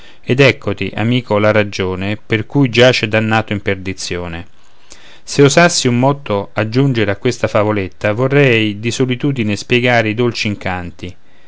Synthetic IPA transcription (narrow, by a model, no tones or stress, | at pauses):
ɛd̪ɛkʰːot̪iʔa̰miːkʰolaɾad͡ʒoːneperkujd͡ʒat͡ʃɛd̪anːaːt̪oimperd̪it̪sːjoːne | seozasːiumːɔt̪ːoad͡ʒːund͡ʒeɾeakːwest̪afavolet̪ːavorːɛjd̪isolit̪uːd̪inespjɛɡaːɾeid̪olt͡ʃiiŋkant̪i